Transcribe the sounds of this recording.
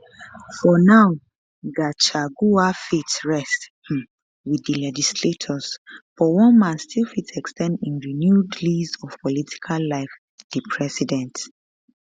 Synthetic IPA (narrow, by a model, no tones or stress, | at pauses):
fɔnaʊ | ɡat͡ʃaɡuafitɹɛst | wiðəlɛd͡ʒisletʰɔzb̥ɔwɔ̃nmãnstʰilfitʰɛkstʰɛ̃ndĩnɹinjudlizɔv̥pɔlitʰi̥kʰalːaɪf | ð̥ipʰɹɛsidɛ̃nt